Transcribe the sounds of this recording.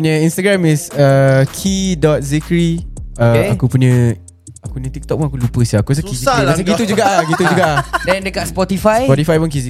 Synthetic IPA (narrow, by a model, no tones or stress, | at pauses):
puɲə̃ĩnst̪aɡɾamisəkʰidɔt̪̚zikɾiəakupuɲə̃ | akunə̃t̪ik̚t̪ɔk̚puŋakulupəsiakus̬əkizikias̬əɡiud͡ʒuɡaʔlaɡit̪ud͡ʒuɡaʔdɛndəkat̪spɔt̪ifasjpɔt̪ifajpunkizi